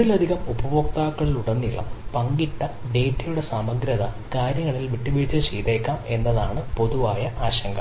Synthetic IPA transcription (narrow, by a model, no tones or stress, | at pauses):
ilɐd̪ʱiɣɐmubɐʋok̚t̪aːkːɐɭiluɽɐnːiɭːɐ̰mpɐŋɡiʈːɐ | ɖeːtːɐjuɽe̞saːmɐɡɾɐðɐ | kaːɾjɐŋːɐɭilʋiʈːiʋiit͡ɕːɐt͡ɕejt̪eːkːaːme̞nːɐðaːɳɨpo̞ðuʋaːjɐʔaːɕɐŋɡɐ